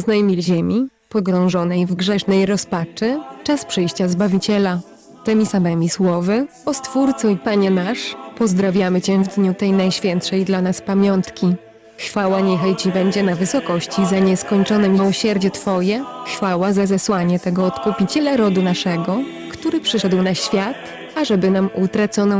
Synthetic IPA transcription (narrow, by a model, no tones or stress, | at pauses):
znajmʲilʑemʲipɔɡɾɔ̃w̃ʐɔnɛjvɡʐɛʂnɛjɾɔspat͡ʂɘt͡ʂaspʂɛjɕt͡ɕazbavʲit͡ɕɛla | t̪ɛmʲisamɛmʲiswɔvɘɔst̪fuɾt̪sɔ̃ipaɲɛnaʂpɔzd̪ɾavʲjamɘt͡ɕɛ̃vd̪ɲut̪ɛjnajɕfʲjɛnt̪ʂɛjd̪lanaspamʲjɔnt̪kʲi | xfawaɲɛxajt͡ɕibɛɲd͡ʑɛnavɘsɔkɔɕt͡ɕizaɲɛskɔɲt͡ʂɔnɛmʲiwɔɕɛɾd͡ʑɛt̪fɔjɛxfawazazɛswaɲɛt̪ɛɡɔɔt̪kupʲit͡ɕɛlaɾɔd̪unaʂɛɡɔ | kt̪uɾɘpʂɘʂɛd̪wnaɕfʲjat̪ | aʐɛbɘnamut̪ɾat̪sɔnɔ